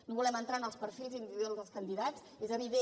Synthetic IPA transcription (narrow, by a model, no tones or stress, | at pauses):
noβulɛmənt̪ɾanəlˠspəɾfilˠzind̪iβiðolˠzðəlˠskənd̪iðat͡s | ezəβiðe